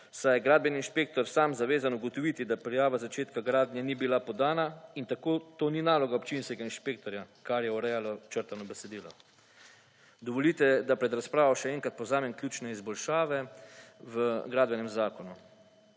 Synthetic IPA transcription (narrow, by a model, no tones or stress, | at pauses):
sajɛɡɾaːd̪̚bjɛniːnʃpeːk̚t̪ɔɾsaːmzaʋeːzanuɡɔt̪ɔʋiːt̪id̪apɾɛjaːʋazat͡ʃeːt̪kaɡɾaːd̪njɛnibilapɔd̪aːnaint̪akoːt̪oːninaːlɔɡaɔpt͡ʃinskɛɡainʃpeːk̚t̪ɔɾjakaɾjɛɔɾɛjalɔt͡ʃəɾt̪anɔbɛsɛd̪iːlɔ | d̪ɔʋɔlit̪ɛd̪apɾɛd̪ɾaspɾaːʋɔʃɛɛːŋkat̪̚pɔwzaːmɛmkljuːt͡ʃnɛizbɔlʃaːʋɛʋəɡɾaːd̪bɛnɛmzaːkɔnu